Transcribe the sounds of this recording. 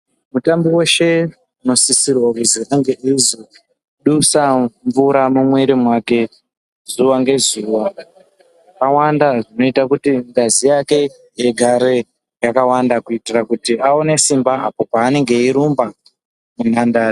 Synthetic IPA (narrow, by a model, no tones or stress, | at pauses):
mutambiwe̞ʃe̞ | uno̞sisirwakuziaŋɡeizo | ɗusaɱvuɾamumwe̞ɾimwake̞ | zuwaŋɡe̞zuːwa | awandaʐino̞itakutiŋɡazijake̞ | jeɡʱaɾe̞ | jakawandakuitirakutiao̞ne̞simbaʔapo̞paːne̞ŋɡe̞iɾumba | munandaːri